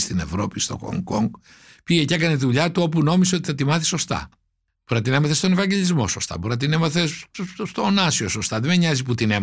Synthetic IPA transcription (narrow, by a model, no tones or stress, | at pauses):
st̪ine̞̰vɾo̞pist̪o̞̰xo̰ŋɡoŋɡ | piʝecekɐneðuʎɐt̪uo̞puno̞miseo̞t̪iθɐt̪imɐθi̥so̞st̪ɐ̰ | b̥oɾɐt̪inemɐθest̪o̞nevɐɲɟe̞ʎizmo̞̰so̞st̪ɐ̰boɾɐt̪inemɐθesst̪oːnɐsio̞so̞st̪ɐðemeɲɐziput̪inem